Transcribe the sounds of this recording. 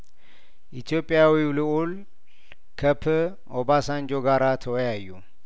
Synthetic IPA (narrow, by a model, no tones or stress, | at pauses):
ʔit̪ʰijo̞pʼːɪjawiwlɨul | kʰəpʰɨ | obasand͡ʒoɡaɾat̪ʰəwɔjajːu